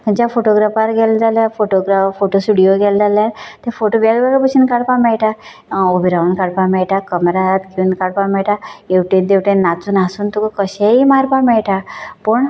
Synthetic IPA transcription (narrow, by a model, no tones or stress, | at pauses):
kəɲt͡ɕafoʈoɡɾafaɾɡɛld͡zaljafoʈoɡɾafoʈosʈuɽijoɡɛld͡zaljat̪efoʈoʋalbaɡpət͡ɕʰinkaɽpamɛɭʈa | obiɾaunkaɽpamɛɭʈakəmɾat̪ɡiunkaɽpamɛɭʈajuʈebd̪ewʈẽnːat͡suːnasuːnt̪ukəkəɕeimaɾpamɛɭʈapəɳ